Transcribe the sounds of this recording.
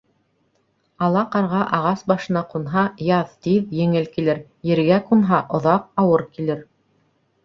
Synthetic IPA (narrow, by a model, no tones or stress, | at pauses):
ɑlˠɑqɑɾʁɑʔɑʁɑsbɑʃɤ̆nɑqunɦɑjɑðt̪iðjɘ̆ŋɘlkilɘɾ | jɘ̆ɾɡæqunɦɑʔŏðɑq̚ɑwɤɾkilɘɾ